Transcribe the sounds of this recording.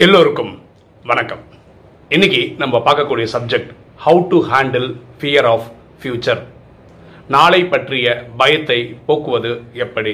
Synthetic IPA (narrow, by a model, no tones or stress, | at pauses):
ɛlːoːɾɯkːɯm | ʋɐnɐkːɐm | ɪnːɪkːinɐmːɐpaːɾkɐkːuːɽɪjɐsɐb̚d͡ʒɛk̚ʈ | hɐʊʈuɦaːɳɖlfɪjɐɾaːf | fjuːt͡ʃːɐɾ | naːɭɐɪpːɐʈrɪjɐbɐjɐt̪ːɐɪpoːkɯʋɐðɯɛpːɐɽi